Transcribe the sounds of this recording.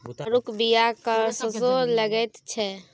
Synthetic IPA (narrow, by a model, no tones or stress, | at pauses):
əɾukbijakəɾsəzoləɡɛt̪t͡ʃʰɛ